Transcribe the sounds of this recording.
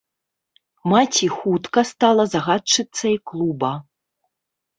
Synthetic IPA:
mat͡sʲixut̪kɐst̪alˠɐzaɣat͡ʂɨt̪sːɐiklˠubɐ

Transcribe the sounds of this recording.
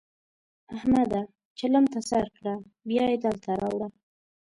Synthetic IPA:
ahmad̪a | t͡ʃalamt̪asaɾkɽa | bjɑjed̪əlt̪ʰaɾɑwɽa

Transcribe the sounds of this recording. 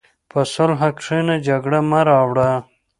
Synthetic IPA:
pasolɦakʂenad͡ʒaɡɽamaɾɑwɽa

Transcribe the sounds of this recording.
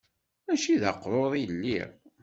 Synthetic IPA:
æʃiðə̰qːɾˤoðˤilːḭʁ

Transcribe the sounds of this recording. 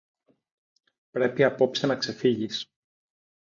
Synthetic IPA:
pɾe̞piɐpo̞psinɐkse̞fiʝis

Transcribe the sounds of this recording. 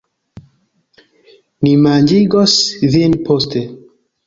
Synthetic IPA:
nimaɲd͡ʒiɡɔsðinpʰost̪e

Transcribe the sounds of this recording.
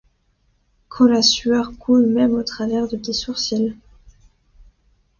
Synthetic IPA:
kʰɔlasyœʁkʰulmɛmot̪χavɛʁd̪əd̪esuʁsil

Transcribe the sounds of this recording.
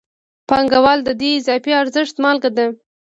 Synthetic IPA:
paŋɡawɑld̪əd̪iɪzɑfiaɾzəʂt̪mɑlɡad̪a

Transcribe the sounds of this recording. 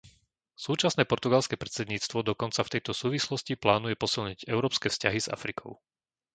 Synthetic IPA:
suːt͡ʃasnɛːpɔɾt̪uɡalskɛːpɾɛt̪t͡sɛd̪ɲiːt͡st̪ʋɔd̪ɔkɔnt͡saft̪ɛjt̪ɔsuːʋislɔsciplaːnujɛpɔsilɲiɟɛʊɾɔːpskɛːfscaɦiz̥a̰fɾikʰɔʊ

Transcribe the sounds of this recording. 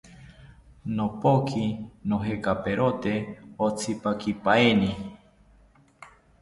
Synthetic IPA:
nopokʰinoɦekapeɾʔot̪eot͡sʰipakipaeni

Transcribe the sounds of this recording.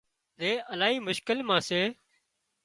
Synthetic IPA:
ɾeːʔəlaːɦiːmʊʃkɪlmãːseː

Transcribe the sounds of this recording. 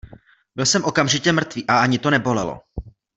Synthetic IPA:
bɪlsɛmʔo̞kamʒɪcɛmr̩t̪viːʔaaɲɪt̪o̞nɛbo̞lɛlo̰

